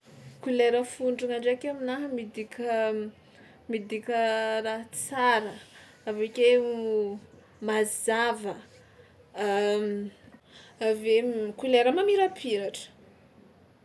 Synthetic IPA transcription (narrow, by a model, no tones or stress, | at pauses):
kuleɾəfuɳɖ͡ʐuŋaɳɖ͡ʐakeaminaɦəmid̪ikʲə | mid̪ikʲəraɦt͡saɾə | avekʲe | mazavə | avekuleɾəmamiɾapʰiɾaʈ͡ʂə̥